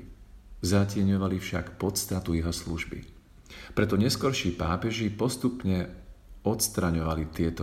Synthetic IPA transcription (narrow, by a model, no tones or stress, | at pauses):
zacɪɛɲɔʋalifʃa̰kpɔt̪st̪at̪ujiɦɔsluʒbḭ | pɾɛt̪ɔɲɛskɔɾʃiːpaːpɛʒipɔst̪upɲɛɔt̪st̪ɾaɲɔʋalit̪ɪɛt̪ɔ